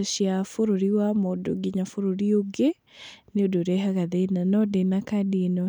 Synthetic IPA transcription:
ʃjafoɾoɾiwamodoɡiɲafoɾoɾioɡe | neodoɾɛɦaɡaðenanɔdenakadienɔ

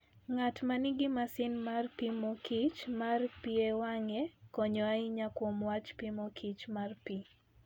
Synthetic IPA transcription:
ŋatmaniɡɪmasɪnmarpimɔkʰit͡ʃmarpiewaŋɛkɔɲɔaiɲakwɔmwat͡ʃpimɔkʰit͡ʃmarpi

